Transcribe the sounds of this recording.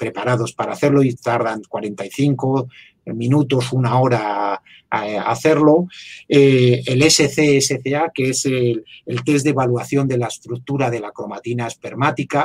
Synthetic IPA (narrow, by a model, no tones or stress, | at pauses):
pɾe̞paɾað̞o̞spaɾaːθe̞ɾlo̞it̪aɾðaŋkwaɾe̞nt̪ajθiŋko̞ | mĩnut̪osunao̞ɾa | a̰θe̞ɾlo̞eeleseθeeseθeakeeselelt̪e̞zd̪e̞βalwaθjo̞nd̪e̞laest̪ɾuk̚t̪uɾaðe̞lakɾo̞mat̪inaespe̞ɾmat̪ika